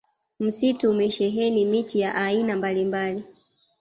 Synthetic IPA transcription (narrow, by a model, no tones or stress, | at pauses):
m̩situːmɛʃɛɦɛnimitʰijaʔainambalimbali